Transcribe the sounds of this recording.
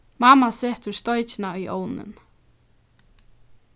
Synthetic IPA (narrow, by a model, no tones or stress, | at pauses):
maːmasɛːht̪ʊ̥st̪ɔjt͡ʃɪnaʏʔoːwnɪ̰n